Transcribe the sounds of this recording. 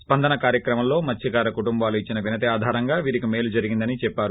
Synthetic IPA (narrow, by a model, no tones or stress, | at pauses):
spɐnd̪ɐnɐkaːɾjɐkɾɐmɐmlo̞ːmɐt͡ʃːiɡaːɾɐkuʈumbaːluit͡ʃːinɐʋinɐt̪iaːd̪ʱaːɾɐŋɡaːʋiːɾikime̞ːlud͡ʒɐɾiɡind̪ɐnit͡ʃɛpːaːɾu